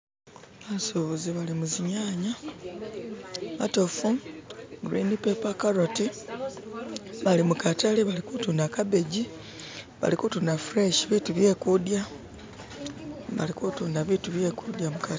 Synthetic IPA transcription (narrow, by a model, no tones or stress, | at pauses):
βasoβoziβalimuziɲaːɲa | βa̰to̞fuɡɾiːndipepakaɾoti | βalimukataliβalikutunakabe̞ɟi | βa̰likutunafuɾeʃiβituβje̞kudja | βa̰likutunaβituβje̞kud̪jamukat